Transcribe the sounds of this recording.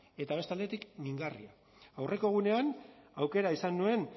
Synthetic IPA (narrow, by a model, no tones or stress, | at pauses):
e̞t̪aβ̞e̞st̪ald̪e̞t̪ikniŋɡarḭa | awrʔe̞ko̞ɣ̞une̞anawke̞ɾaisanːue̞n